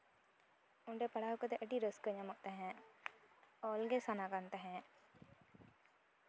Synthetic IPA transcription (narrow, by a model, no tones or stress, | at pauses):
ʊɳɖepɐɽaɦkət̪ɛʔəʈiɾəskəɲamɔʔt̪aɦɛ̃ | ɔːlɡesanakant̪aɦɛ̃